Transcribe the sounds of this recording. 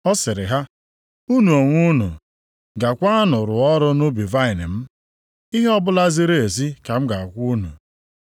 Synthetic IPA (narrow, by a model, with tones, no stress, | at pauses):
ɔ˦sɪ˨ɾɪ˨ɦa˦ | u˦nu˨o˨ŋʷu˦nu˨ | ɡa˨kʷa˦a˦nʊ˨ɾʊ˨ɔ˦ɾʊ˦nʊ˦bi˨va˦ɪ˨nɪ˨m̩˦ | i˦ɦe˦ɔ˦bʊ˦la˦zi˦ɾe˦e˨zi˦ka˨m̩˦ɡa˨a˨kʷu˦nṵ˨